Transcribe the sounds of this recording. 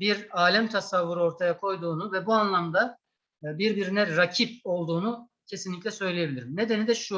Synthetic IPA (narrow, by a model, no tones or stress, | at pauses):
biɾaːlʲæmt̪ʰasavːuɾɯo̞ɾt̪ʰajakʰo̞jd̪uːnuvɛbuanlˠamd̪a | biɾbiɾinɛɾacʰip̚o̞lˠd̪uːnu | cʰe̞sinlʲic̬ʲlʲɛsø̞jlʲejebilʲiɾimne̞d̪e̞nid̪ɛʃu